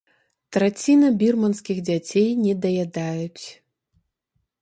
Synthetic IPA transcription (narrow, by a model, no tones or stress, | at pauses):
t̪ɾat͡sʲinɐbʲirmɐnskʲiɣd͡zʲat͡sʲejnʲɛd̪ɐjad̪ajut͡sʲ